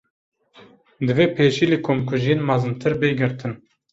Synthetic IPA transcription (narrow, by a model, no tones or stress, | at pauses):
d̪ɨveːpʰeːʃiːlikʰoːmkʰʊʒinmɑzɨmt̪ʰɨɾbeːɡɪɾt̪ʰɨn